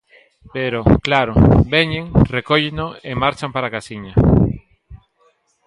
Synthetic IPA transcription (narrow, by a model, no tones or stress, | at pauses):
peɾoklaɾobeɲẽŋrekoʎenoemaɾt͡ʃampaɾakasiɲa